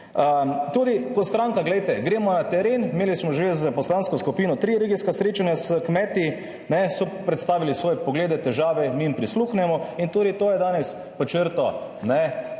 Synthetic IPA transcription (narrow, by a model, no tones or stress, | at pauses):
ət̪uːd̪ikɔt̪st̪ɾaŋkaɡlɛjt̪ɛɡɾeːmɔnat̪ɛɾeːnmeːlismɔʒezəpɔslanskɔskupiːnɔt̪ɾiɾeːɡiskasɾeːt͡ʃanjasəkmɛt̪i | nɛsɔpɾɛt̪st̪aːʋilisʋɔːjɛpɔɡleːd̪ɛt̪ɛʒaːʋɛmiimpɾisluxnɛmɔint̪uːd̪it̪oːjɛd̪aːnɛs | pɔt͡ʃəɾt̪ɔnɛ